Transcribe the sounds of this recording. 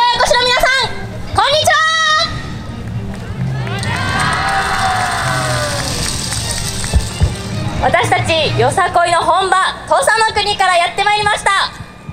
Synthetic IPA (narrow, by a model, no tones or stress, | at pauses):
jokoɕiɾo̞mʲinasãŋ | kõ̞ɲ̟ːit͡ɕiβa | βat̪aɕi̥t̪at͡ɕijo̞sako̞ino̞ɦõ̞mbat̪oːsanːokɯ̟ɲ̟ikaɾajat̪ːe̞maiɾʲimaɕi̥t̪a